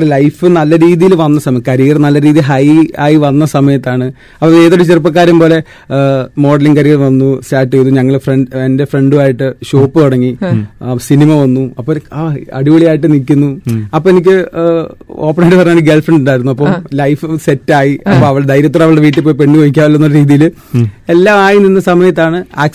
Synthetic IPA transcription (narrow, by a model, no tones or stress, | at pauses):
elɐjfɨnɐlːɐɾiːðijilʋɐnːɐsɐmɐjkɐɾiːrnɐlːɐɾiːðijilɦɐjaːjiʋɐnːɐsɐmɐjɐt̪ːaːɳɨ | ɐpːoe̞ːðoɽɐt͡ɕerɨp̬ːɐk̬ːaːɾjɐmbo̞ːle̞ | mo̞ːɖɐliŋkɐɾiːrɐʋɐnːusaːʈːejðuɲɐŋːɐɭfreɳɖende̞fre̞ɳɖuaːjiʈːɨɕoːpːɨkɐɽɐŋːi | sinimɐʋɐnːuɐpːoɐ̰ɽiʋɐɭijaːjiʈ̬ːɨnikʲːunːuɐpːoːenik̬ʲːɨ | o̞̰ːpːɐnɐjɖɨpɐrɐɲaːɳɡelfreɳɖuɳɖaːjiɾunːuɐpːɐmlɐjfɨse̞tːaːjiɐpːoɐʋɐɭɽed̪ɐjɾjɐt̪ːoːeɐʋɐɭɨɽeʋiːʈ̬ːep̬ːoːjpe̞ɳːiukoːjikʲːaːʋɐlːɐnːoːɾɾiːðijil | e̞lːaːmaːjininːɐsɐmɐjɐt̪̬ːaːɳɨaːk̚